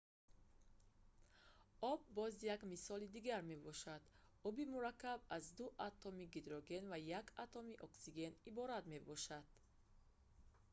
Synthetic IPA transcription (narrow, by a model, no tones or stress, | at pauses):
ɔb̚ːɔzjakmisɔlid̪iɡaɾme̞bɔʃad̪ɔbimuɾakːab̚azd̪uʔat̪ʰːɔmiɡid̪ɾɔɡe̞nvajakʰat̪ʰɔmiʔɔksiɡe̞nibɔɾad̪me̞bɔʃad̪̥